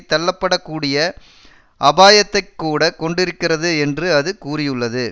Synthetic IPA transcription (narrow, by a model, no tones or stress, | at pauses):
t̪ːɐlːɐpːɐɽɐkːuːɽɪjɐ | ʔɐbaːjɐt̪ːɐɪkːuːɽɐkɔɳɖɪɾɯkːɪrɐðɯɛndrɯɐðɯkuːrɪjɯɭːɐðɯ